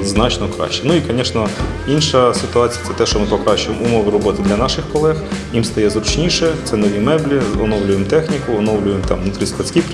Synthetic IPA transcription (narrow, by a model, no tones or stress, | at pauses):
znɑt͡ʃnɔkɾɑ̰ʃt͡ʃɛnuikɔnʲɛʃnɔinʃɐsɪt̪ʊɑt͡sʲijɐt̪ɛt̪ɛʃt͡ʃɔmɪpɔkɾɑt͡ʃʊjemʊmɔʋɪɾɔbɔt̪ɪd̪lʲɐnɑʃɪxkɔlˠɛxjimst̪ɐjɛzɾʊt͡ʃnʲiʃɛt̪sɛnɔʋʲimɛblʲiɔ̰nɔwlʲʊjemt̪ɛxnʲikʊɔnɔwlʲʊjemt̪ɑ̰mnut̪ɾʲisk̪ɐt͡sʲkʲip